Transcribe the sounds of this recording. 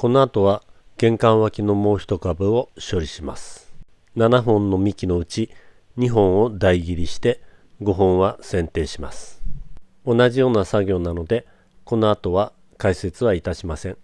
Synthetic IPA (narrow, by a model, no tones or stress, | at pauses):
ko̞no̞at̪o̞β̞a | ɡ̥ẽ̞ŋkãɰ̃βakʲino̞mo̞ːçi̥t̪o̞kabɯ̟o̞ɕo̞ɾʲiɕima̰sɨ̥ | nanaɦõ̞nːo̞mʲikʲino̞ɯ̟t͡ɕi | ɲ̟iɦõ̞ɰ̃o̞d̪aiɡʲiɾʲiɕi̥t̪e̞ | ɡo̞ɦõ̞ɰ̃βasẽ̞nt̪e̞ːɕima̰sɨ̥ | o̞naʑijo̞ːnasaɡʲo̞ːnano̞d̪e̞ | ko̞no̞at̪o̞βa | kaise̞t͡sɨβait̪aɕimasẽ̞ɴ